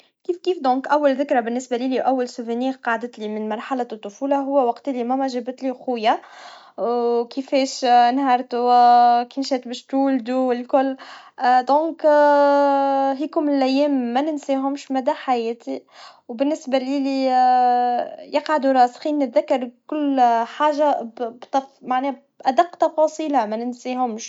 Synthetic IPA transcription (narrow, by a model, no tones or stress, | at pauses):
kiːfkiːfd̪ɔ̃ːkʔæwːælðɪkɾˤɑbɪnːɪsbæliliʔæwːalsʊvæniːqɑʕd̪ət̪limɪnmɑɾˤħalat̪ˤːʊfuːlaɦʊwːæwɑqt̪ilimæwæʒɪbt̪lixʊjːa | wkifɛːʃnhɑɾˤt̪ukinʃɛːt̪bɛʃt̪uːld̪ulkʊlː | d̪ɔ̃ːk | ɦikʊmɪlʔæjːɛːmːænɪnsiːɦʊmʃmæd̪æħajɛːt̪iwbɪnːɪsbaliːli | jɪqʕad̪uɾˤɑːsxiːnːɪt̪ðakːɑɾˤkʊlːħaːʒabbt̪ɑmaʕnɛː | ʔæd̪ɑqːt̪ˤɑfɑːsˤiːlamænɪnsiɦʊmʃ